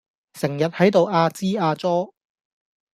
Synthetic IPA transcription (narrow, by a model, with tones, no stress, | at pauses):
sɪ˨˩ŋjɐ˨t̚hɐ˨˥jt̪o˨waː˧t͡siː˥aː˧t͡sɔː˥